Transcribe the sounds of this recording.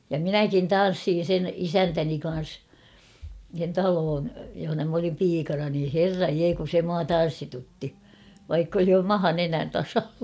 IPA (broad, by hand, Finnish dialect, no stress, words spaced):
jɑ minækin tɑn̞sːiːn̞ sen isæntæni kɑn̞s sen tɑloːn johonɑ m olim piːkɑnɑ niː herːɑj jeː kun̞ se muɑ tɑn̞sːitutːi ʋɑikː oli mɑhɑ nenæn tɑsɑlːɑ